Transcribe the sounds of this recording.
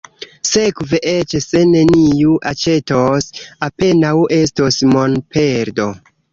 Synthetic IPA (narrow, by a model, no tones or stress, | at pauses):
se̞kveʔe̞t͡ʃse̞ne̞nijuʔat͡ʃe̞tosape̞nawʔe̞s̬tosmo̞npʰe̞ɾdo̞